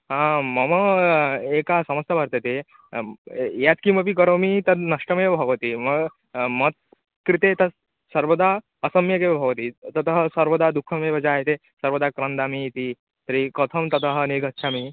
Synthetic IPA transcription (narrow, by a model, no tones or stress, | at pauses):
ɦãməmə | ekasɐməsjabʱaɾt̪et̪e | jat̪kiməp̬ikəɾomit̪ɐnɐʂʈəmebʱɐʋət̪iməɡ | mət̪̚ | kɾit̪et̪ɐ | səɾʋəd̪a | əsəmjəkebʱɐʋət̪it̪ɐt̪əɦsɐɾʋəd̪ʱad̪ukʰːəmebʱɐd͡ʑaɦet̪e | sɐɾʋəd̪akɾənd̪amiit̪i | t̪əɾikɔt̪ʰəmt̪ɐt̪əɦneɡʱətːt͡ʃʰami